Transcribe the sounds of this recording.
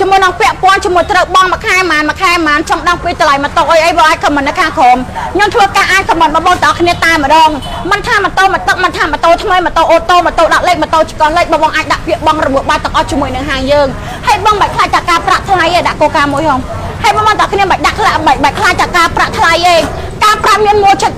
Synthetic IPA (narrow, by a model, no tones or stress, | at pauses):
t͡ɕiəmuəjnɑŋpɛ̆əʔpɔ̆ənt͡ɕiəmuəjt̪rəwɓɑŋmə̆kʰaɛmaːnmə̆kʰaɛmaːnt͡ɕɑmɗɑŋpiːt̪əlajmət̪oʔəjʔəjɓɑːʔaːc̚kɑmɨnːəkʰaːkʰoːmɲomt̪ʰʋəːkaːʔaːc̚kɑmənɓɑːɓoːŋt̪əʔɑkʰniət̪aɛmə̆ɗɑːŋmɨnt̪ʰaːmət̪oːmət̪ək̚mənt̪ʰaːmət̪oːt̪ʰməjmət̪oːʔoːt̪ːoːmət̪oːɗɑʔ̚leːk̚mət̪oːt͡ɕi̥kɑːhleːk̚ɓɑːɓɑːŋʔaːc̚ɗaʔpiəʔɓɑŋrɔɓuəhɓaːt̪əʔɑht͡ɕiəmuəjnɨŋɦaːŋjəːŋ | hajɓɑŋɓəc̚kʰlaːj̚t̪ʰaːkaːpraʔt̪ʰlajʔeːɗaʔkoːkaːmuəjhɔːŋ | hajɓɑːɓɑːŋəʔɑkʰniəmɓəc̚ɗaʔkʰlaʔɓəc̚ɓaɛkʰlaːj̚t̪ʰakaːpraʔt̪ʰlajʔeː | kaːpraʔmiənmuət͡ɕət̪̚